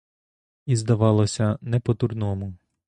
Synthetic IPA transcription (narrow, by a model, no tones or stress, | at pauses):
izd̪ɐʋɑlˠɔsʲɐnɛpɔt̪urnɔmʊ